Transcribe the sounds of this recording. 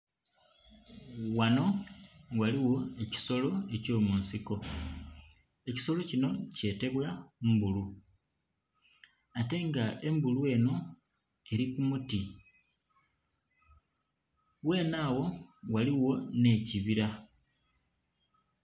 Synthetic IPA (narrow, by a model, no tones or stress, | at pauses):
wano̞waliwo̞e̞ci̥so̞lo̞e̞co̞ːmuːnsiko̞ | e̞ci̥so̞lo̞cino̞ce̞ːte̞βwaumbulu | ate̞ŋɡae̞mbulue̞no̞ | e̞ɾikumuti | we̞ːnaːwo̞waliwo̞ne̞ːciβiɾa